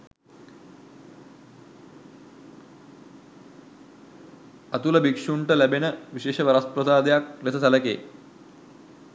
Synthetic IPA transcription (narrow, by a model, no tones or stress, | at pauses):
ɐt̪uləbikʂuɳʈəlæbenəʋiʃeːʂəʋɐɾaspɾəsaːd̪ejak̚lesəsɐləkḛː